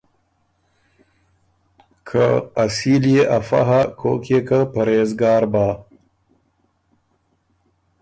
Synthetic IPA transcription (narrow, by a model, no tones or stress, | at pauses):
kʰəːsiljeʔafa̰ɦakʰo̰kʰekəpaɾezɡɑːɾba